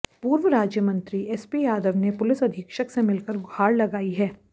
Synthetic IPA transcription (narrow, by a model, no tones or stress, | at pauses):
puːɾʋəɾaːd͡ʒjəmɐ̃nt̪ɾiɛspijaːd̪əʋnepʊlɪsɐd̪ʱɪkʃəksemɪlkəɾɡʱaːɽlɐɡaːiɦɛː